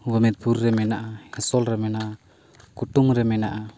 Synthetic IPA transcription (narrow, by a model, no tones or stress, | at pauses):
wamɛt̪̚purːɛmɛnaʔahɛsɔlɾɛmɛnaʔa | kuʈuŋɾɛmɛnaʔa